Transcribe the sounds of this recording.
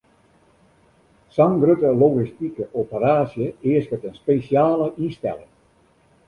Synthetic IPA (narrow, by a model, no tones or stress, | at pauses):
saŋɡrøtəloɣistikəʔopəraːsjəɪəskətənspeːsjaːləʔistɛ̰lɪ̰ŋ